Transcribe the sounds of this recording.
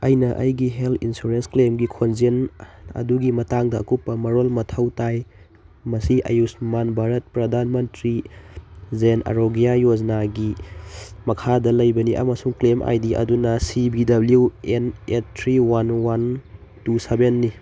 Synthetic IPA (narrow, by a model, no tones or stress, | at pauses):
ɐjnɐʔɐ̰jɡiɦeltʰinsuɾensklemɡikʰonzenɐ̰duɡimɐtaŋdɐɐ̰kupːɐmɐɾolmɐtʰɐwtaj | mɐsiʔɐ̰jusmanbʱaɾɐt̚pɾɐdʱanmɐntɾi | zenʔɐ̰ɾoɡijajod͡ʒnaɡi | mɐkʰadɐlɐjbɐniʔɐ̰mɐsuŋklemʔa̰jdiʔɐ̰dunɐsibidɐbljuenetʰɾiwanwan | tusebenːi